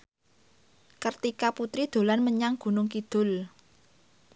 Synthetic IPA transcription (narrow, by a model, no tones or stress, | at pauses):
kərt̪ikaput̪ɾid̪̥o̤lanməɲaŋɡ̥ṳnʊŋkid̪̥ʊ̤l